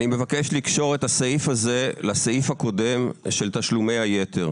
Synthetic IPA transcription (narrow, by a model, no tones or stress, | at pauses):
nimevake̞ʃlikʃo̞ʁet̪hasaifazelasaifhako̞de̞mʃelt̪aʃlume̞jhaje̞t̪ʰe̞ʁ